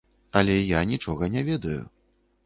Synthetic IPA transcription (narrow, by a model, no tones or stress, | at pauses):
ɐlʲɛjanʲit͡ʂɔɣɐnʲɛvʲɛd̪ɐjṵ